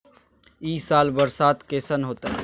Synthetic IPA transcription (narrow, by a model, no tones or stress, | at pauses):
iːsaːlbəɾsaːt̪keːsənɦoːt̪aɦ